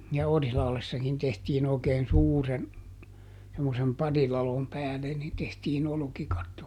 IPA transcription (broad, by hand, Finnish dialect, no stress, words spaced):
jɑ orihlɑhlesːɑkin tehtiːn oˑi̯keːn suːren semːosem pɑrilɑlom pæːle nin tehtiːn olŏkikɑtːo